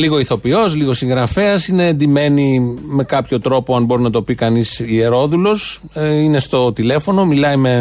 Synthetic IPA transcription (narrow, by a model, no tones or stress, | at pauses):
liɣo̞iθo̞pio̞sliɣo̞siŋɣɾɐfe̞ɐsine̞ːnd̪ime̞nime̞kɐpço̞t̪ɾo̞poɐnbo̞ɾinɐt̪o̞pikɐnisie̞ɾo̞ðulo̞s | ine̞st̪o̞t̪ile̞fo̞no̞milɐime̞